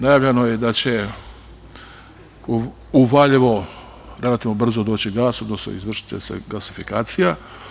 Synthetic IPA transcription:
najaːʋʎenojed̪at͡ɕe | uʋaʎiʋo̞ | ɾe̞lat̪iʋnobr̩zod̪o̞ːt͡ɕiɡaːso̞d̪nosno̰ḭzʋr̩ʃi̥t̪ḛsḛɡasifikaːt̪sija

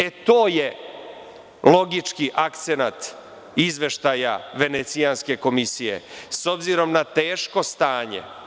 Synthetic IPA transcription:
et̪oːje | lo̞ɡit͡ʂkiʔakt̪se̞nat̪ | izʋe̞ʃt̪aːjaʋe̞net̪sianske̞ko̞misijḛso̞bziɾo̞mnat̪e̞ːʃko̞st̪aːɲḛ

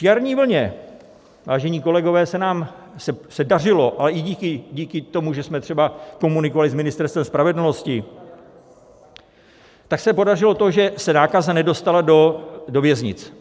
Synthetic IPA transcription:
ʃaɾɲiːvl̩ɲɛ | vaːʒɛɲiːko̞lɛɡo̞vɛːsɛnaːm | sɛsɛdar̝ɪlo̞ʔalɛʔɪɟiːkɪɟiːkɪt̪o̞muʒɛsmɛt̪r̝̥ɛbako̞munɪkovalɪzmɪnɪst̪ɛɾst̪vɛmspɾavɛdl̩no̞scɪ | t̪aksɛpo̞darɪlo̞t̪o̞ʒɛsɛnaːkazanɛdo̞st̪aladodo̞vjɛzɲɪ̰t͡s

